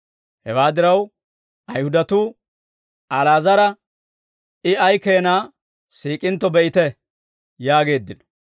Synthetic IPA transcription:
hɛwaːd̪ɪɾɐw | ʔɐjhʊd̪ɐt̪uː | ɐlaːzɐɾɐ | ʔɪɐjkeːnaː | siːkʼɪnt̪ːɔbɛʔɪt̪ɛ | jaːɡe̞ːd̪ːɪnɔ

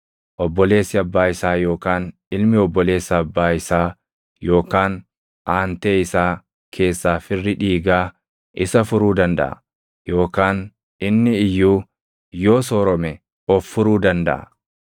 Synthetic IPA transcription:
ʔɔbːɔle̞ːsːɪɐbːaːɪsaːjo̞ːkaːn | ɪlmɪɔbːɔle̞ːsːɐːbːaːɪsaː | jo̞ːkaːn | ʔaːnt̪e̞ːɪsaː | kʰe̞ːsːaːfɪrːɪᶑiːɡaː | ʔɪsɐfʊɾuːd̪ɐnd̪ɐ̰ʔɐ̰ | jo̞ːkaːn | ɪnːɪɪjːuː | jo̞ːsoːɾɔmɛ | ɔfːʊɾuːd̪ɐnd̪ɐ̰ʔɐ̰

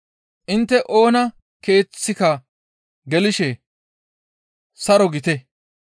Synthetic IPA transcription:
ʔɪnt̪ːɛʔo̞ːnɐ | ke̞ːt͡sːɪkɐ | ɡɛlɪʃɛ | sɐɾɔɡɪt̪ɛ

